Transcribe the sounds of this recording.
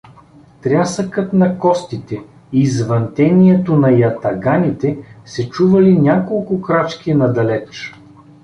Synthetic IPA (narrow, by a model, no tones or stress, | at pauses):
t̪ɾʲasəkət̪nɐkɔst̪it̪ɛ | izvɐnt̪ɛniɛt̪onɐjɐt̪ɐɡanʲit̪ɛsɛt͡ʃuvɐlinʲakolˠkʊkɾat͡ʃk̟ʲinɐd̪ɐlɛt͡ʃ